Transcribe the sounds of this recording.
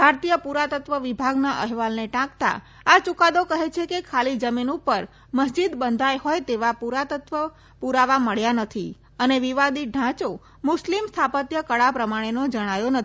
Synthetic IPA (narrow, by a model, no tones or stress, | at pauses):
bʱaɾt̪ijəpuɾat̪ət̪ʋəʋibʱaɡnaʔəɦʋalneʈãkt̪a̰ | at͡ʃukad̪okəɦet͡ʃʰekekʰalid͡ʒəminupəɾ | məsd͡ʒid̪bənd̪ʱajɦojt̪eʋapuɾat̪ət̪ʋə | puɾaʋaməɭjanət̪ʰi | əneʋiʋad̪iɖʱãt͡ʃo | mʊslimst̪ʰapət̪jəkəɭapɾəmaɽ̃enod͡ʒəɽ̃ajonə